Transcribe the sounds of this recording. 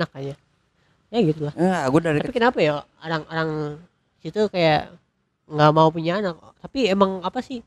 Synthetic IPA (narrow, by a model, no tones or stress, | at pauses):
ak̚aɲa | jaɡit̪ulahəaɡudaɾiapikənapajaoɾaŋoɾaŋ | isit̪ukaja | ŋɡamaupuɲaːnakt̪apiemaŋapasɪh